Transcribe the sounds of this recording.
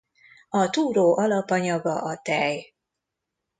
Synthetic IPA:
ɒt̪uːɾoːʔɒlɒpɒɲɒɡɒʔɒt̪ɛj

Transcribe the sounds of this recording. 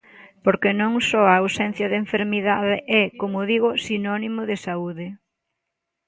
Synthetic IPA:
poɾkenõŋsɔaawsɛn̟θjɐðeɱfeɾmiðaðɪʔɛkomʊðiɣʊsinɔnimʊðɪsauðɪ

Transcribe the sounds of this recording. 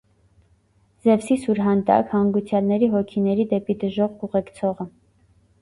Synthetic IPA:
zɛvsisuɾɦɑnt̪ɑ̰khɑŋɡut͡sʰjɑlnɛɾiɦɔkʰinɛɾid̪ɛpid̪əʒɔʁkuʁɛkt͡sʰɔʁə

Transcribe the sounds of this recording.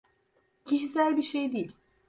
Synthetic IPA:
cʰiʃis̬ælʲbiɾʃejd̪ejilʲ

